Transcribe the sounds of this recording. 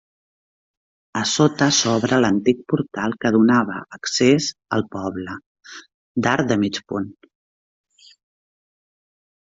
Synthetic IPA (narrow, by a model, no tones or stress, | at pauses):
əsot̪əsɔβɾələnt̪ik̚puɾt̪alˠkəð̞unaβə̰ːksezə̰lˠpɔβlə | d̪aɾd̪əmit͡ʃpun